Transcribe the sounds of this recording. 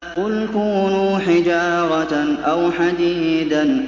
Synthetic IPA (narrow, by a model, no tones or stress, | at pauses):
qʊlkuːnuːħɪd͡ʒaːɾˤɑtnʔawħad̪iːd̪an